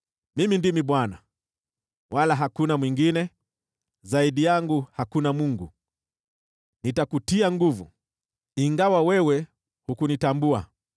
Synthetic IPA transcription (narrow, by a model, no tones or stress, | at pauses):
mimindimiɓwana | walaɦakunamwiŋɡinɛ | zaiɗijaŋɡuhakunamuŋɡu | nitakutiaŋɡuvṵ | iŋɡawawɛwɛ | hukunitambua